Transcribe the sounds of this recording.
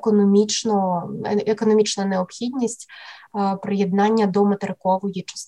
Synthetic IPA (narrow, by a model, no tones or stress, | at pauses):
kɔnɔmʲit͡ʃnɔ | ɛkɔnɔmʲit͡ʃnɐjnɛɔpxʲid̪ʲnʲisʲtʲ | pɾɪjɛd̪nanʲːɐd̪ɔmɐt̪ɛɾɪkɔʋɔjit͡ʂɐ̥s